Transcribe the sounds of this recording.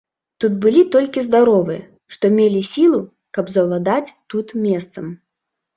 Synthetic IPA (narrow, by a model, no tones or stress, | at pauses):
t̪ut̪bɨlʲit̪ɔlʲkʲizd̪aɾɔvɨjɐ̰ | ʂt̪ɔmʲelʲisʲilˠu | kɐbzɐwlˠad̪at͡sʲt̪ut̪mʲɛst̪sɐm